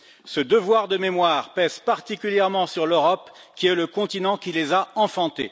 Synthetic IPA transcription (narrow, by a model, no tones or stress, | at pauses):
səd̪əvwaʁd̪əmemwaːʁpɛz̥paʁt̪ikʲyljɛʁmɑ̃syʁløʁɔp | kʲiɛləkɔ̃t̪inɑ̃kʲilezaɑ̃fɑ̃t̪ḛ